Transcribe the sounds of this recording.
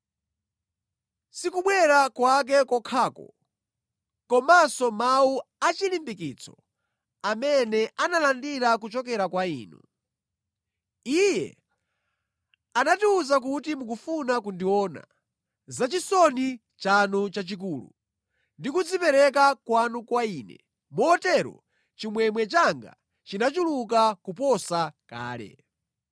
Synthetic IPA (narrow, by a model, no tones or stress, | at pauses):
sikuɓwɛɾakwak̬ɛkɔkʰaːkɔ̰ | kɔmasɔmauat͡ʃilimbikit͡sʰɔ̥̰ | amɛnɛʔanalandiɾakut͡ʃɔk̬ɛɾakwaḭːnṵ | ijɛ̰ | anatiuzak̬utimuk̬ufunakundiɔːna̰ | zat͡ʃisɔni | t͡ʃanut͡ʃat͡ʃik̬uːlṵ | ndikud͡zipɛɾɛk̬akwanukwaiːnɛ̰ | mɔːtɛɾɔ̰ | t͡ʃimwɛmwɛt͡ʃaŋɡa̰ | t͡ʃinat͡ʃuluk̬akupɔsaka̰ːlɛ̰